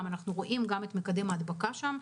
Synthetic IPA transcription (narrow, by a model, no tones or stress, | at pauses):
manaχnuʁo̞ʔimɡamet̪mekad̪emad̪bakaʃam